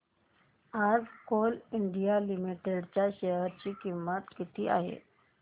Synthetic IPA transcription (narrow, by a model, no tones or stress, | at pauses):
ad͡zkoliɳɖijalimiʈeɽt͡ɕjaɕeɦəɾt͡ɕiːkimːət̪kit̪ʰiːʔa̰ɦḛ